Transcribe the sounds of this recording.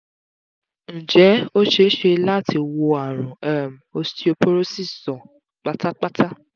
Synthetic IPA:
ñ̩˨d͡ʒɛ˨˦o˦ʃe˧ʃe˧la˦˨tʰi˧wo˧a˨ɾ̃ũ˨ɛ˦˨m˨o˧sti˦o˧po˦ɾo˦si˦˨sɔ̃˨ | k͡pa˦ta˦k͡pa˦tʰa˦

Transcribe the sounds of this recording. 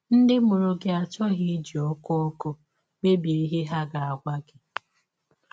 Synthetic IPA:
n̩˦dɪ˦mʊ˨ɾʊ˨ɡɪ˦a˨t͡ʃɔ˦ɣi˦d͡ʒi˨ɔ˦kɔ˦o˦kʊ˦ | ɡ͡be˦bje˨˦ɦe˦ɦa˦ɡa˨a˨ɡʷa˦ɡɪ˨

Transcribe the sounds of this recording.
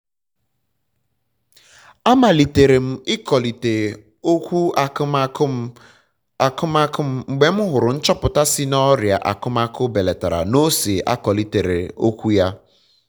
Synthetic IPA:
a˦ma˨li˨te˨ɾe˨m̩˨ɪ˦kɔ˨li˨te˨ | o˦kʷu˦a˨˦˨ | kʊ˦ma˦kʊ˦m̩˨ŋ͡m̩˨ɡ͡be˦m̩˦ɦʊ˨ɾʊ˨n̩˦t͡ʃɔ˦pʊ˨ta˦sɪ˦nɔ˦ɾja˨ʔa̰˨kʊ˦m˦a˦kʊ˦be˨le˨ta˨ɾa̰˨no˦se˨ʔa̰˦kɔ˨li˨te˨ɾḛ˨o˦kʷu˦ja˦

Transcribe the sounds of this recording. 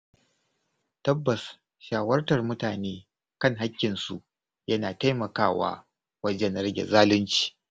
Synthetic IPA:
tɐ˦bːɐ˨s | ʃaː˨wɐ˦rtɐ˨rmʊ˦taː˨neː˦ | kɐ˦˨ŋɦa˦kʲːɪ˨nsṵ˨ʔ | jɐ˦naː˨ta˦jmɐ˨kaː˦˨wa̰ː˦ | wɐ˦d͡ʒɛ˦nɾɐ˦ɡʲḛ˨zaː˦lɪ˦nt͡ʃi̥ː˨

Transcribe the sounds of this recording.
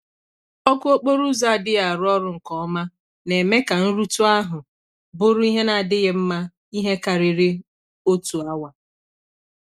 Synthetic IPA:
ɔ˦kʊ˦o˦k͡po˦ɾu˦za˦a˨dɪ˦a˨ɾʊ˦ɔ˦ɾʊ˨ŋ̩˨kɔ˦ɔ˦ma˦ | ne˨me˦ka˨n̩˦ɾu˦tʊ˦a˦ɦʊ˨ | bʊ˦ɾʊ˦i˦ɦe˦na˨a˨dɪ˦ɣɪ˦m̩˦ma˦ | i˦ɦe˦ka˨ɾɪ˨ɾɪ˦ | o˦tu˨a˦wa˨

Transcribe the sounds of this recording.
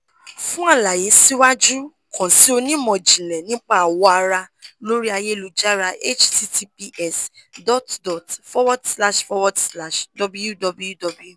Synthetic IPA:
fũ˦a˦˨la˨je˨˦si˦wa˦d͡ʒu˦ | kʰɔ̃˨si˦o˧nĩ˦mɔ̃˨d͡ʒĩ˨lɛ˨nĩ˦k͡pa˦a˨wɔ˦a˧ɾa˧lo˦ɾi˦a˧je˦˨lu˨d͡ʒa˦ɾa˧ʔe˦t͡ʃti˦ti˦pi˧ʔɛ˦˨sdɔ˦tdɔ˨tfɔ˦wɔ˦dsla˦ʃfɔ˧wɔ˦dsla˦˨ʃdɔ˧bu˦ju˦dɔ˧bu˦ju˦dɔ˧bu˦ju˦˨

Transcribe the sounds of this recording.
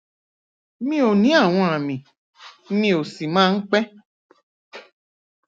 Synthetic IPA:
mĩ˦o˨nĩ˨˦a˦˨w̃ɔ̃˧a˨mĩ˨˦ | mĩ˧˦o˨si˨mãː˦n̩˦k͡pɛ˦

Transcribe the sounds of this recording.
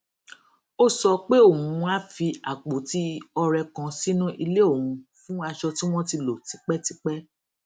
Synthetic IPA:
o˦sɔ˧k͡pe˦o˦˨mũ˨˧˦a˦fi˧a˨k͡po˨˦ti˦ɔ˧ɾɛ˧kã˧si˦nũ˦ʔi˧le˦o˦˨ũ˨˧fũ˦a˧ʃɔ˧ti˦w̃ɔ̃˦ti˧lo˨ti˨˦k͡pɛ˦ti˧k͡pɛ˦

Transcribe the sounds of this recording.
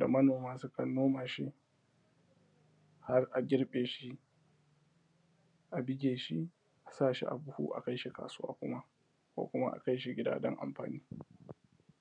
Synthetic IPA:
da̰˨mɐ˦noː˨maː˦sʊ˦kɐ˨nːoː˦maː˨ʃi˦ | ha˦rʔa˨ɡʲɪ˦ɽɓʼeː˨ʃi˦ | ʔa˨bɪ˦ɡʲeː˨ʃi˦ | ʔa˨saː˦˨ʃḭ˦ʔa̰˨bʊ˦hṵː˦ʔa˨ka˦jʃi˦ka̰ː˨sʊ˦wa̰ː˦kʷʊ˦ma˦ | kʷo̰ː˦˨kʷʊ˦ma̰˦ʔa̰˨ka˦jʃ̬i˦ɡʲɪ˦da̰ː˦dɐ̰˦ŋʔa̰˨mɸa̰ː˨niː˦

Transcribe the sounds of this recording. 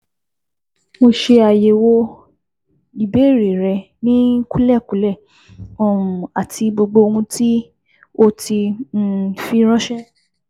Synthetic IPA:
mo˧ʃe˧a˨je˨wo˧ | i˨be˨˦˨ɾi˨ɾɛ˧ | nĩ˦ku˦lɛ˦˨ku˨˦lɛ˦˨ | ɔ˦˨ũ˨a˨tʰi˧bo˧ɡ͡bo˧o˧hũ˧ti˦ | o˦ti˧n̩˦˨fi˧ɾ̃ɔ̃˦ʃɛ˦

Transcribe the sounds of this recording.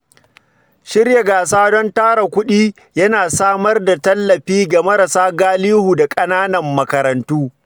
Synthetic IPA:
ʃɪ˦rja˨ɡaː˨saː˦dɔ˦ntaː˦ɾa˨kʷʊ˦ɗiː˦ | jɐ˦naː˨saː˦mɐ˦rda˨tɐ˦lːɐ˨ɸiː˦ɡa˨mɐ˦ɾa˨saː˦ɡaː˦liː˦huː˨da˨kʼɐ˦naː˦nɐ˨mːɐ˦kɐ˨ɾɐ˨ntuː˦

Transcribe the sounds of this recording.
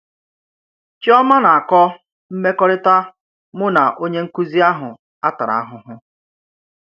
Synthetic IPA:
t͡ʃɪ˦ɔ˦ma˦na˨a˨kɔ˦ | m̩˦me˦kɔ˦ɾɪ˦ta˦ | mʊ˦na˨ʔo˦ɲe˦ŋ̩˦ku˦zi˦a˦ɦʊ˨ | a˦ta˨ɾa̰˨a˦ɦʊ˨ɦʊ˦

